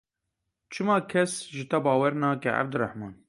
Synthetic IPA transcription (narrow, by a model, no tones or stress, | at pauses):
t͡ʃʰɨmɑːkʰɛsʒɨt̪ɐbɑːwɛɾnɑːkɛʔa̰b̚d̪ɨɾaħmɑːn